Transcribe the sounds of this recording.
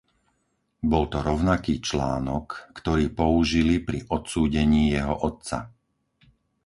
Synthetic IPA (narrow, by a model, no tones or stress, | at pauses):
bɔlt̪ɔɾɔʊnakiːt͡ʃlaːnɔkːt̪ɔɾiːpɔuʒilipɾiʔɔt̪suːɟɛɲiːjɛɦɔʔɔt̪t͡sa̰